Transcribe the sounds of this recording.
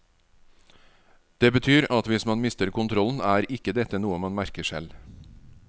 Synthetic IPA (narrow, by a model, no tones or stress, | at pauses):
d̪̥eːbət̪ʰyːɾɑt̪ʋɪsmɑnmɪst̪əɾkʊnt̪ʰɾɔln̩æːɾɪkəd̪ɛt̪ənuːəmɑnmæɾkəʂɛ̰l